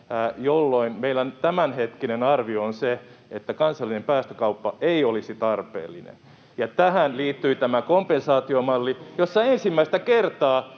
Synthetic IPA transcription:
jolːoinmeilːænt̪æmænhet̪kinenɑrʋioonseet̪ːækɑnsɑlːinempæːst̪ø̥kɑupːɑeiolisit̪ɑrpḛːlːḭnḛn | jɑt̪æhænliːt̪ːyit̪æmækompensɑːt̪iomɑlːijosːɑensimːæist̪ækert̪ɑː

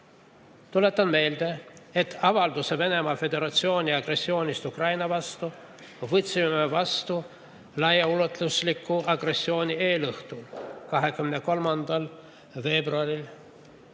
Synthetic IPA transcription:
t̪ule̞t̪ːˑɑnme̞ːld̪̥e̞et̪ːˑɑvɑld̪use̞ve̞ne̞mɑfe̞d̪e̞ɾɑt̪sio̞ːnʲiɑɡre̞sːio̞ːnʲist̪ukrɑjnɑvɑst̪u | vɤt̪simemevɑst̪u | lɑjɑulot̪ˑluslikːuʔɑɡre̞sːio̞ːnʲie̞ːlɤht̪ukɑɦe̞kymneko̞lmɑnd̪̥ɑl | ve̞ːbruɑɾil

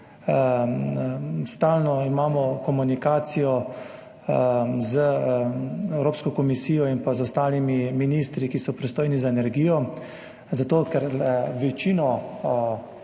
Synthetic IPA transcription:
st̪alnɔimaːmɔkɔmunikaːt̪sijɔ | zə | ɛwɾoːpskɔkɔmisiːjɔinpazɔst̪aːlimiminist̪ɾikisɔpɾist̪oːjnizaenɛɾɡiːjɔ | zat̪oːkɛɾʋɛt͡ʃiːnɔ

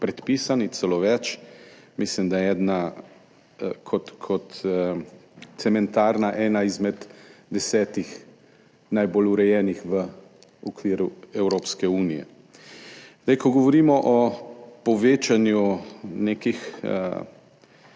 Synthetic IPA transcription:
pɾɛt̪piːsanit̪sɛloːʋɛt͡ʃ | mislimd̪ajɛɛːd̪na | kʰɔt̪kʰɔt̪ | sɛmɛnt̪aːɾnaʔɛːnaizmɛd̪d̪ɛsɛːt̪ix | najboluɾɛjɛːnixʋə | ukʋiːɾuɛwɾoːpskɛuːnijɛ̰ | zd̪ajkɔɡɔʋɔɾiːmɔʔɔpɔʋeːt͡ʃanjunekixə̰

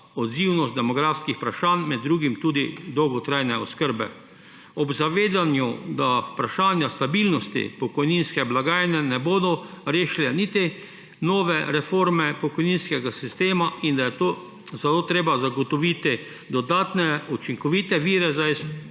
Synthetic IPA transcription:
ɔd̪ziwnɔst̪d̪ɛmɔɡɾaːfskixpɾaʃaːnmɛd̪ːɾuːɡimt̪uːd̪id̪ɔwɡɔt̪ɾajnɛɔskəɾbɛ̰ | ɔbzaʋeːd̪anjud̪apɾaʃaːnjast̪abilnɔst̪ḭpɔkɔjninskɛblaɡaːjnɛnɛboːd̪ɔɾeːʃilɛnit̪i | nɔːʋɛɾɛfoɾmɛpɔkɔjninskɛɡasist̪eːmaʔind̪ajɛt̪o | zat̪oːt̪ɾeːbazaɡɔt̪ɔʋiːt̪i | d̪ɔd̪aːt̪nɛut͡ʃiŋkɔʋiːt̪ɛʋiːɾɛzais

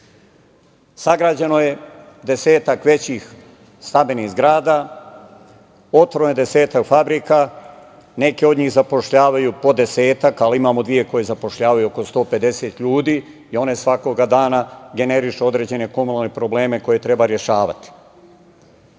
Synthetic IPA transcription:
saɡɾaːd͡ʑenoje̞d̪e̞se̞ːt̪akʋe̞t͡ɕix | st̪abiniɣzɡɾaːd̪a | ot̪ɾojed̪ese̞ːt̪akfabɾika | ne̞keo̞d̪ɲiːxzapo̞ʃʎaːʋajupo̞d̪e̞seːt̪akalimaːmod̪ʋije̞ko̞je̞zapo̞ʃʎaːʋajuo̞ko̞st̪o̞ːpe̞d̪e̞set̪ʎuːd̪iː | io̞ne̞sʋako̞ɡad̪aːnaɡe̞ne̞ɾiʃuo̞d̪ɾe̞ːd͡ʑe̞ne̞ko̞munalnepɾo̞ble̞ːme̞ko̞je̞t̪ɾe̞baɾje̞ʃaːʋa̰t̪i̥

